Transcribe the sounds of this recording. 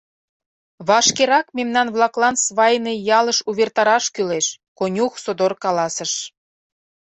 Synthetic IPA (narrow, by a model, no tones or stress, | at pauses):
βɑʃkeɾɑkmemnɑnβlɑklɑnsβɑjnejɑləʃuβert̪ɑɾɑʃkyleʃ | konʲuxsod̪orkɑlɑsəʃ